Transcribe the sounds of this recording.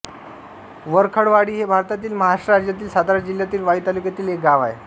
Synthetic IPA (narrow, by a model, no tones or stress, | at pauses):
ʋəɾkʰəɽʋaɽiːɦebʱaɾt̪at̪iːlməɦaʂɾəɾad͡ʑjat̪iːlsad̪aɾəd͡ʑiljat̪iːlʋait̪alukjat̪iːlek̚ɡaʋa̰e